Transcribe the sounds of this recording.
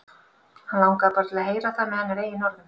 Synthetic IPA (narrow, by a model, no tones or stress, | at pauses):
hanlawŋkaðpaɾt̪ɪlaðɦeːjɾaθamɛhɛnːɪɾeːjɪnɔɾðʏm